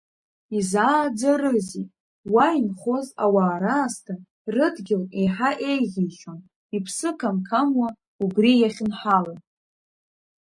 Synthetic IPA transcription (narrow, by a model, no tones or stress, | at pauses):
izaːd͡zarɨzitʼ | wajinχo̞za̰waːɾaːstʰa | rɨdɡʲɪleħaʔe̞jʁʲiʃon | ipʰsɨkʰamkʰamwa | uɡrijaχʲɪnħalan